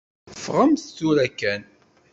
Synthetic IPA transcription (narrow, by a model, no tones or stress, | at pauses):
fʁəmθt͡sːuɾækːæn